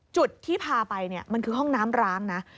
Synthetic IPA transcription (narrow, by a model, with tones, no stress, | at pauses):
t͡ɕu˨˩t̪ʰːiː˥˩pʰaː˧pa˧jni˥˩ɐma˧nkʰɯː˧ɦɔ˥˩ŋnaː˦˥mɾaː˦˥ŋna˦˥